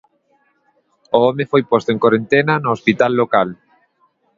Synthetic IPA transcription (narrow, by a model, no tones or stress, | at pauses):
oɔmefojpost̪oẽŋkoɾent̪enanoːspit̪alːokal